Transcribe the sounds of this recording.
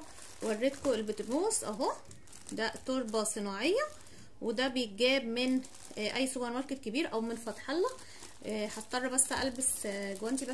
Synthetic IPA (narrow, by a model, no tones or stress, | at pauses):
wærːet̪koʔelbet̪bnuːsʔæɦo | d̪æt̪oɾˤbɑsˤɨnɑːʕejːɑ | wed̪æbejet̪̚ɡæːbmen | ʔæjːsobɑɾmɑɾˤket̪kebiːɾʔæwmenfɑt̪ˤħɑlːɑ | ħɑt̪t̪ˤːɑrˤːɑbæsːæ̰ʔælbesɡowænt̪ibæ